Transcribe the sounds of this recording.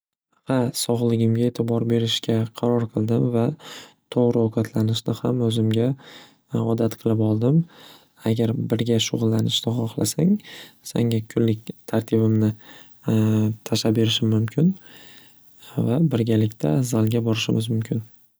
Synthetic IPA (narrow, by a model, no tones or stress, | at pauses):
hɑsɒʁlˠɪɡʲɪmɡʲae̞t̪ʰɪbɒɾbe̞ɾɪʃkʲaqʰɑɾɒɾqʰɨlˠd̪ɪmvat̪ʰoʁɾɪoqʰɑt̪ʰlanɪʃnɪhamɵzɪmɡʲa | ɒd̪at̪qʰɨlˠɪpɒlˠd̪ɪm | aɡʲaɾbɪɾɡʲaʃʊʁʊlˠːanɪʃt̪ɪχɒχlˠa̰saŋsa̰ŋɡʲakʰʊlːɪk̚ʲt̪ʰaɾt̪ʰɪbɪmnɪ | t̪ʰaʃabe̞ɾɪʃɪmːʊmkʲʰɪn | vabɪɾɡʲalɪkʲt̪ʰazalˠɡʲabɒɾɪʃɪmɪzmʊmkʲʰɪn